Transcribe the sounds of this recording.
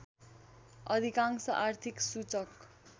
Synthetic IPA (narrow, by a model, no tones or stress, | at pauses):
ʌd̪ʱikaŋsʌʔart̪ʰiksut͡sʌk